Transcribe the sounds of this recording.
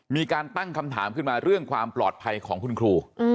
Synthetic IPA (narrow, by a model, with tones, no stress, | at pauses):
miː˧kaː˧nt̪a˥˩ŋkʰa˧mt̪ʰa̰ː˩˦mkʰɯ˥˩nmaː˧ɾɯ˥˩əŋkʰwaː˧mplɔː˨˩t̪̚pʰa˧jkʰɔː˩˦ŋkʰu˧nkʰɾuː˧